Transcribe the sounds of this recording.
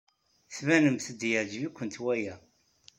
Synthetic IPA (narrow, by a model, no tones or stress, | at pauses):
θvænəmθəd̪jəʕd͡ʒvikʷːənt̪wæjæ